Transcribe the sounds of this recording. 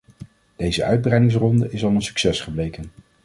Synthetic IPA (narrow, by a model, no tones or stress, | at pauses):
d̥ejzəʔœ̰ɥd̚brɛjdɪŋs̬rɔndəɪsɑlˠənsy̥ksɛsχəblejkən